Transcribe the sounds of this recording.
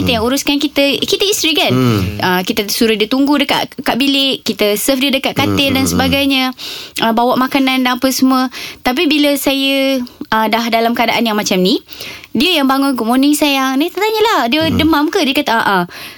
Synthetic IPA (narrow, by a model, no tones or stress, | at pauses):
it̪əjaŋuɾuskankit̪əkit̪əist̪ɾikanəkit̪ət̪əsuɾahdiət̪uŋɡudəka̰ʔkaʔbilɪʔkːit̪əsəfdiədəkaʔkat̪ɪldansəbaɡajɲəʔəbawaʔmakanandaŋapəsəmuət̪ap̬ibiləsajəədahdalamkadaʔanjaŋmat͡ʃamnĩdiəjaŋbaŋʊnkumonisajaŋnat̪at̪aɲəlahdiədəmamkədiəkat̪aaʔa